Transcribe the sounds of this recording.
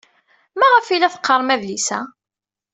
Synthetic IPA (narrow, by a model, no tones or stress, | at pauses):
mæʁəfilæθə̥qːəɾˤmæðlisæ